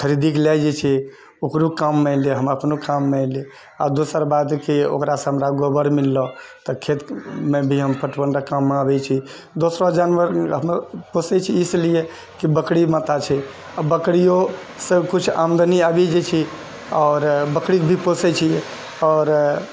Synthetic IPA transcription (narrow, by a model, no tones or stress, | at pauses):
kʰəɾid̪iklɛd͡ʒɛt͡ʃʰɛ | okɾukamːeleɦəməpnukamːɛli | a̰d̪osəɾbad̪keo̰kɾasə̃ɦəmɾaɡobəɾmilːɔ̃t̪ɔkʰet̪mebʱiɦəmpʰəʈbənɖakamːeabɛt͡ʃʰi | d̪osɾɔd͡ʒanʋəɾɦəmposɛt͡ʃʰiːslie | kibəkɽimat̪at͡ʃʰɛ | abəkɽijo | səbkut͡ʃʰa̰md̪ʱəniabɛd͡ʒɛt͡ʃʰi | ɔːɾbəkɽikbʱiposɛt͡ʃʰiɛ | ɔːɾ